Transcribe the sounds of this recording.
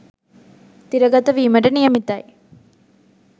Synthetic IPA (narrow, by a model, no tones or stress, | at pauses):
t̪iɾɐɡɐt̪ɐʋiːmɐɖɐnijɐmit̪ːɐj